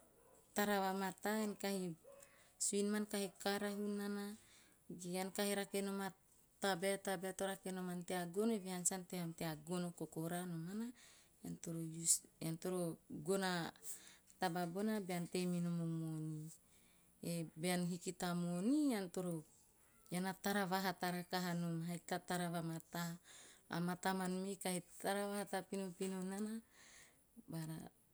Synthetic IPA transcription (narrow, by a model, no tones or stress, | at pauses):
t̪aɾawamat̪aenkahi | suinmankahikaɾaɦunana | ɡeankahiɾakenoma | t̪abeat̪abeat̪oɾakenomant̪eaɡoneβehansant̪ehamt̪eaɡonokokoɾanomana | jant̪oɾojusant̪oɾoɡona | t̪ababonabeant̪eminomomoni | ebeanɦikit̪amoniant̪oɾo | janat̪aɾavaɦat̪aɾakaɦanomaɦajt̪at̪aɾavamat̪a̰ː | mat̪amanmekahetaɾavaɦat̪apinopinonana | baɾa